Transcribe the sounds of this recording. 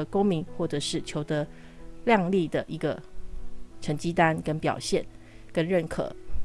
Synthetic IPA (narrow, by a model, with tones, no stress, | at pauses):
əko˥ŋmi˧˥ŋxwɔ˥˩ʈ͡ʂɤ˨˩ʂɻ̩˥˩t͡ɕʰjo˧˥ʊd̪ə˧ | ljɑ˥˧ŋli˥˩d̪ə˩ʔi˧˥ɡə˧ | ʈ͡ʂʰə˧˥ŋt͡ɕi˥t̪a˥nkə˦˥npjɑ̰˨˩ʊɕjɛ˥˩n | kə˦nɻə˥˩nkʰɤ̰˨˩˦